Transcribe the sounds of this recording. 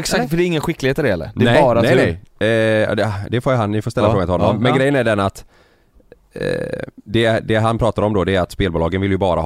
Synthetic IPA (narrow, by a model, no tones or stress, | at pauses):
ɛksakt̪fœɖɛɪŋːənɧɪkːlɪɡeːt̪ːəɾɛhɛlːə̰ɾd̪ɛbɑːɾa | ɑ̰d̪ɛd̪ɛfoːjɦannɪfoːst̪ɛlːafoːɡnɪhɔnɔmːɛnɡɾɛjːənæɖɛnat̪ | d̪ɛd̪ɛɦanpʰɾɑːt̪aɾɔmd̪ɔd̪ɛːɾat̪speːlbʊːlɑːɡənvɪljɵbɑːɾa̰